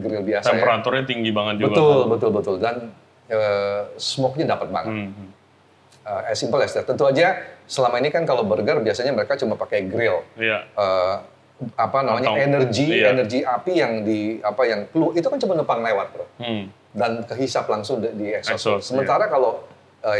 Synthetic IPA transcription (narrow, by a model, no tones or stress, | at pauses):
ɡəɾɪlbiasɛamɲəɾat̪ʊrɲat̪iŋɡibaŋət̪̚bəɡ̪ʊlbət̪ʊlbət̪ʊldan | əsmɔk̚ɲadapət̪̚ba̰ŋət̪̚ | əɛsimpəlɛst̪ət̪ənt̪uad͡ʒasəlamainikankalobəɾɡərbiasaɲaməɾekat͡ʃumapakajɡɾɪljaə | apanamaɲaenərɡienərɡiʔapijaŋdiapajaŋpəluit̪ukant͡ʃumənəpaŋlewat̪̚bɾʊ | dankəɦisaplaŋsʊŋddiɛksɔssəmənt̪aɾakalo | ə